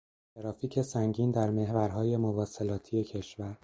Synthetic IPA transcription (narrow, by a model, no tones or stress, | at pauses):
t̪ʰeɾɒːfiːcʰe̞sæŋɟiːnd̪æɾme̞ɦvæɾɦɒːje̞movɒːse̞lɒːt̪ʰije̞cʰe̞ʃvæɾ